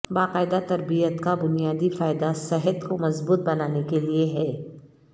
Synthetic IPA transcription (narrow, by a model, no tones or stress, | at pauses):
baːqaːɪd̪at̪ɐɾbijət̪kabʊnijaːd̪ifaːɪd̪asɛɦət̪komɐzbuːt̪̚bɐnaːnekelieɦɛː